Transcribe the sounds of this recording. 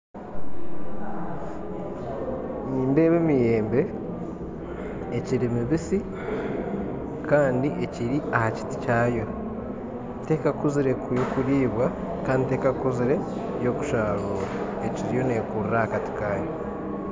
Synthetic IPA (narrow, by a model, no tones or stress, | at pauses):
niːnde̞ːβemije̞ːmbe̞ | ciɾimiβisi | kaːndiʔeciɾiʔahaci̥ti̥caːjo̞ | te̞ːkakuziɾe̞kjokuɾiːβwa | kaːndite̞ːkakuziɾe̞ | jo̞ku̥ʃaːɾuːɾa | eciɾijo̞ne̞ːkuriɾahakati̥kaːjo̞